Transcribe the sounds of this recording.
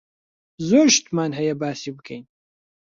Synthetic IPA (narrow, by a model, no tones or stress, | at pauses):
zoːɾʃt̪maːnɦɐjɐbaːsiːbɨkʰɐɛ̰jn